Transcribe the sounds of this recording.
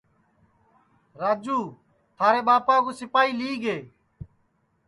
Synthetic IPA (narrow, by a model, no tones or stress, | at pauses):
ɾaːd͡ʒuː | t̪ʰaːɾeːɓaːpãːkõːsɪpaːiːliːɡeː